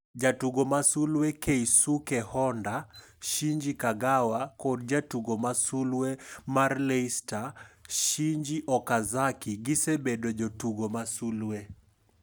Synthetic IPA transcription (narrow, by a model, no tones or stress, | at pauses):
d͡ʒatuɡɔmasulwɛkɛisukɛhɔnda | ʃiɲd͡ʒikaɡawakɔdd͡ʒatuɡɔmasulwɛmaɾlɛistaʃiɲd͡ʒiʔɔkazakiɡisɛbɛɗɔd͡ʒɔtuɡɔmasulwɛ